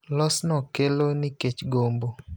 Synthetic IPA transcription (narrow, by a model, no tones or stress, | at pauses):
lɔsnɔkeloniket͡ʃɡombo